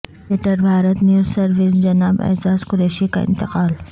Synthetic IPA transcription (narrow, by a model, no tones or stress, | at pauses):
eʈəɾbʱaːɾət̪njuːzsɐɾʋɪs̬d͡ʒɐnaːbɛ̰zaːzkʊɾeːʃika̰ɪ̰̃nt̪ɪqaːl